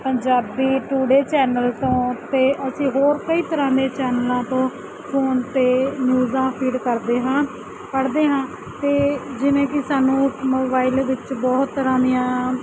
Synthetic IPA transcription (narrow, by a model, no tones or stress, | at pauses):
pəɲd͡ʒaːbiːʈuːɽeːt͡ʃɛːnəlt̪õːt̪eːʔəsĩːɦoːɾkəiːt̪əɾãːd̪eːt͡ʃɛːnlãːt̪õː | pʰoːnt̪eːnjuːzãːpʰiːɖkəɾd̪eːɦãː | pəɽd̪eːɦãː | t̪eːd͡ʒɪʋẽːkɪsaːnũːmoːbaːilʋɪt͡ʃbɔːt̪ːəɾãːd̪ijãː